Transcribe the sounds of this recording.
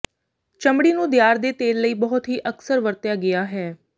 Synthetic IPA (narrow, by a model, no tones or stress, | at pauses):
t͡ʃəmɽiːnũːd̪ɪjaːɾd̪eːt̪eːɾləiːbɔɦʊt̪ɦiːʔəksəɾʋəɾt̪jaːɡɪaːɦɛː